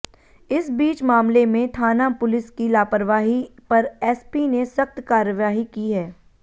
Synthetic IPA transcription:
ɪsbiːt͡ʃmaːmlemẽt̪ʰaːnapʊlɪskilaːpəɾʋaːɦipɐɾɛːspinesɐxt̪kaːɾjəʋaːɦikiɦɛː

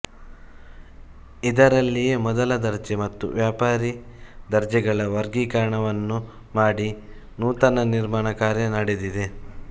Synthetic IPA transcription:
id̪ɐɾɐlːijemɔd̪ɐlɐd̪ɐɾd͡ʒemɐt̪ːṵʋjaːpaːɾid̪ɐɾd͡ʒɛɡɐɭɐʋɐɾɡikɐɾɐɳɐʋɐnːu | maːɽi | nuːt̪ɐnɐniɾmaːɳɐkaːɾjɐnɐɽed̪id̪e̞

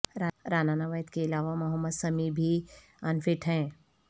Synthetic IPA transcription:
ɾaɾaːnaːnaʋəjət̪keɪlaːʋamɐɦəmːəd̪sɐmibʱi | anfɪʈɦɛ̃ː

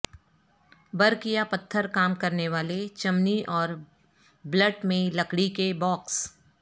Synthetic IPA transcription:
bɐɾkijapɐt̪ʰːəɾkaːmkɐɾneʋaːlet͡ʃɐmniʔɔːɾ | bləʈmẽlɐkɽikebɔːks

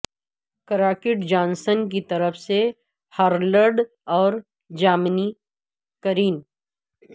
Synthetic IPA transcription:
kɾaːkɪʈd͡ʒãːnsənk̬it̪ɐɾəfse | haːɾləɾɖ | ɔːɾ | d͡ʒaːmni | kəɾiːn

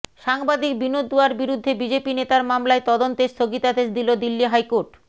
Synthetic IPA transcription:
ʃaŋbad̪ik̚binod̪ːuaɾbiɾud̪ʱːebid͡ʑepinet̪aɾmamlaet̪ɔd̪ont̪eɾst̪ʰoɡit̪ad̪eʃd̪ilod̪ilːiɦajkoɾʈ

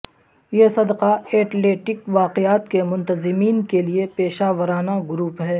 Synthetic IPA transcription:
jeːsɐd̪qaeːʈleːʈɪkʋaːqɪaːt̪kemʊ̃nt̪əzɪmiːnkeliepeːʃaːʋəɾaːnaɡʊɾuːpɦɛː

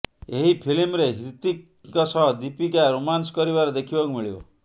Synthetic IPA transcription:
eɦipʰilimɾeɦiɾt̪i | kɔsɔɦɔd̪ipikaɾomanskɔɾiβaɾɔd̪ekʰibɔkumiɭibɔ̰

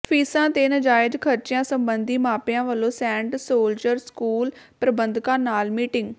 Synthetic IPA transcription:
pʰiːsãːt̪eːnəd͡ʒaːɪd͡ʒkʰəɾt͡ʃɪjãːsəmbənd̪iːmaːpɪjãːʋəlːõːsɛ̃ːɳʈsoːld͡ʒəɾskuːlpɾəbənd̪kãːnaːlmiːʈɪ̃ŋɡ

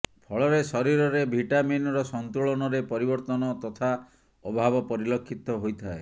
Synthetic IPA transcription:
pʰɔɭɔɾesɔɾiɾɔɾebʱiʈaminɾɔsɔnt̪uɭɔnɔɾepɔɾibɔɾt̪ɔnɔt̪ɔt̪ʰa | ɔbʱabɔpɔɾilɔkʰːit̪ɔɦojt̪ʰae

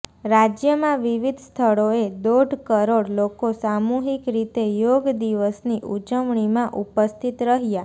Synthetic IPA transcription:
ɾad͡ʒjəmãʋiʋid̪ʱst̪ʰəɭoed̪oɖʱkəɾoɽlokosamuɦikɾit̪ejoɡd̪iʋəsniʔud͡ʒəmɳ̃imãʔupəst̪ʰit̪ɾəɦja

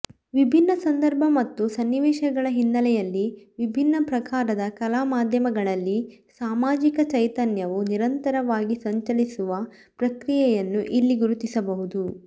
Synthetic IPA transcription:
ʋibʱinːɐsɐnd̪ɐɾbʱɐmɐt̪ːusɐnːiʋɛːʃɐɡɐɭɐɦinːɐlɛjɐlːiʋibʱinːɐpɾɐkaːɾɐd̪ɐkɐlaːmaːd̪ʱjɐmɐɡɐɭɐlːi | saːmaːd͡ʒikɐt͡ʃɐjt̪ɐnjɐʋuniɾɐnt̪ɐɾɐʋaːɡisɐɲt͡ʃɐlisuʋɐ | pɾɐkɾijɛjɐnːuʔilːiɡuɾut̪isɐbɐɦud̪u

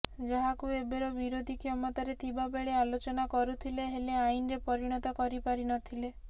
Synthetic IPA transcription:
d͡ʒɔɦakuebeɾɔbiɾod̪ʱikʰjɔmɔt̪aɾet̪ʰibabeɭealot͡ʃɔnakɔɾut̪ʰileɦeleainɾepɔɾiɽ̃ɔt̪ɔkɔɾipaɾinɔt̪ʰile

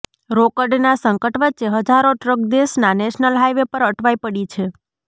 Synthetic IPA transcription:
ɾokəɾɖnasəŋkəʈʋət͡ʃeɦəd͡ʒaɾoʈɾək̚d̪esnaneʃnəlɦajʋepəɾəʈʰʋajpəɽit͡ʃʰe

